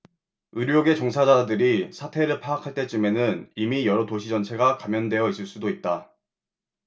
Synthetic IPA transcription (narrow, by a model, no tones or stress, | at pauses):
ɯɾjoɡe̞t͡ɕoŋsʰad͡ʑadɯɾisʰatʰe̞ɾɯɭpʰaakʰaɭt͈e̞t͡ɕ͈ɯme̞nɯnimijʌɾʌtoɕʰid͡ʑʌnt͡ɕʰe̞ɡakamjʌndwe̞jʌis͈ɯɭs͈udoit̚t͈a